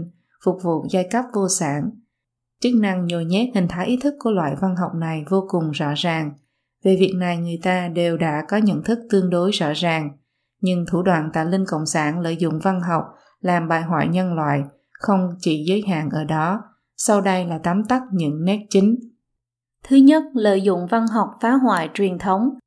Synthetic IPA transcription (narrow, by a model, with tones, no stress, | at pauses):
fʊ˨˩k͡p̚vṵ˧˨za˧jka˦˥p̚vo˧saː˧˩n | t͡ɕɨ˦˥k̚na˧ŋɲo˨˩jɲɛ˦˥t̚hï˨˩ŋ̟t̪ʰaː˨˦jʔi˨˦t̪ʰɨ˦˥kːu˧˩əlwa̰ː˧˨jva˧nɦa˨˩wk͡p̚na˨˩jvo˧kʊ˨˩ŋ͡mzɔ̰˧˥zaː˨˩ŋ | ve˨˩vi˨˩ək̚na˨˩jŋɨ˨˩əjt̪aː˧ɗe˨˩wɗa̰ː˧˥kɔ˨˦ɲə̰˧˨nt̪ʰɨ˦˥k̚t̪ɨ˧əŋɗo˨˦jzɔ̰˧˥zaː˨˩ŋ | ɲɨ˧ŋt̪ʰu˧˩ɗwa̰ː˧˨nt̪a̰ː˧˨jlï˧ŋkə̰˧˨wŋ͡msaː˧˩nlə̰ː˧˨jzʊ̰˧˨ŋ͡mva˧nɦa˨˩wk͡p̚ | laː˨˩mɓaː˨˩jɦwa̰ː˧˨jɲə˧nlwa̰ː˧˨j | xə˧wŋ͡mt͡ɕi˧˩zəː˨˦jɦa̰ː˧˨nʔəː˧˩ɗɔ˨˦ | sa˧wɗə˧jlaː˨˩t̪a˨˦mt̪a˦˥t̚ɲɨ̰˧˥ŋnɛ˦˥t̚t͡ɕï˨˦ŋ̟ | t̪ʰɨ˨˦ɲə˦˥t̚lə̰ː˧˨jzʊ̰˧˨ŋ͡mva˧nɦa˨˩wk͡p̚faː˨˦ɦwa̰ː˧˨jt͡ɕwi˨˩ənt̪ʰə˨˦wŋ͡m